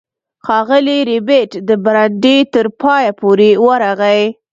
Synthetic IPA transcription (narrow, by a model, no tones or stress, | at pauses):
xɑɣəliɾɪbeʈd̪əbaɾaɖet̪əɾpɑjapoɾewəɾaɣaj